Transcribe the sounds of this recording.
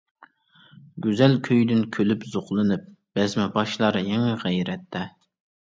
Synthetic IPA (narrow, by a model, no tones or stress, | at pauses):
ɡʲyzɛlkʲʰøjd̪ynkʲʰølypzoqlˠɨnɨp̚b̥ɛzmɛbɑʃlˠɑɾɨjɛŋɛʁɛjɾɛt̪ʰːɛ